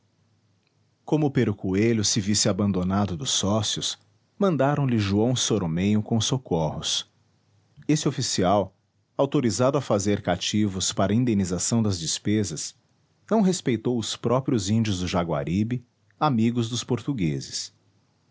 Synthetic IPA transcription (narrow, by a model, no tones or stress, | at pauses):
kõmʊpeɾʊkuelʊsɪvisɪabɐ̃nd̪onad̪ʊd̪ʊsɔsjʊs | mɐ̃nd̪aɾɐ̃w̃lɪʒuɐ̃w̃soɾomẽjʊkõsokohʊs | esɪofisiaw | awt̪oɾizad̪ʊɐfazeɾkat͡ʃivʊspaɾɐĩnd̪ẽnizasɐ̃w̃d̪ɐzd͡ʒɪspezɐs | nɐ̃w̃ɦespejt̪owʊspɾɔpɾiʊzĩnd͡ʒiʊzd̪ʊʒaɡwa̰ɾibɪ | amiɡʊzd̪ʊspoɾt̪uɡezɪs